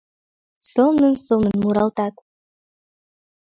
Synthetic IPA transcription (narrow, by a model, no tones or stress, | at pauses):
solˠnənsɤlˠnənmuɾɑlˠt̪ɑt̪